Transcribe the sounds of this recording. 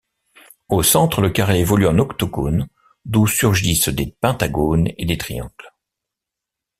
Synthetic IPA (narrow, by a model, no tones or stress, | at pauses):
osɑ̃t̪χələkaʁeevɔlyɛ̃nɔkt̪ɔɡon | d̪usyʁʒisd̪epɛ̃t̪aɡonḛd̪et̪χijɑ̰̃ɡl